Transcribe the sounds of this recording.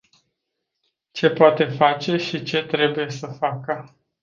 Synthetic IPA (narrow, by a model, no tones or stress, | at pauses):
t͡ʃe̞poat̪e̞fat͡ʃe̞ʃit͡ʃe̞t̪ɾe̞buje̞səfakə